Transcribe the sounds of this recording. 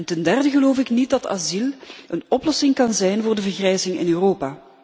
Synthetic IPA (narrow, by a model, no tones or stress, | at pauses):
ntɛndɛrdəɣəloːfɪknit̚dɑta̰zilənɔplɔsɪŋkɑnzɛjnvʊːrdəvərɣrɛjzɪŋɪ̰nøːroːpaː